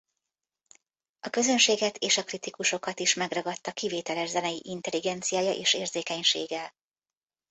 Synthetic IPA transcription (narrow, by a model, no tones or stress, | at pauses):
ɒkø̞zø̞nʃeːɡɛt̪ʰeːʃɒkrit̪ikuʃo̞kɒt̪iʃmɛɡrɒɡɒt̪ːɒkiveːt̪ɛlɛʒzɛnɛjiʔint̪ɛliɡɛnt̪sijaːjɒʔḛːʃeːrzeːkɛɲʃḛːɡɛl